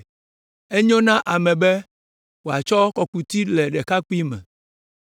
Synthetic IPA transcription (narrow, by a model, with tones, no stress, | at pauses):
e˦ɲõ˦nã˦ʔa˨mɛ̃˨bɛ˦ | wo˨a˨t͡ʃɔ˦kɔ˨ku˨t̪i˦lɛ˨ɖɛ˨ka˦k͡pi˦mɛ̰̃˨